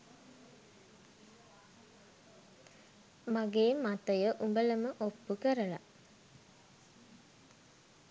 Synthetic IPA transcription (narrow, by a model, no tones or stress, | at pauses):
maɡeːmat̪əjəʔumbələməʔopːukəɾəla̰